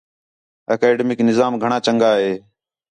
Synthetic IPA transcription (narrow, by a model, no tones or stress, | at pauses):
əkeːɖemɪknɪzaːmɡʱəɳaːt͡ʃəŋɡaːɦeː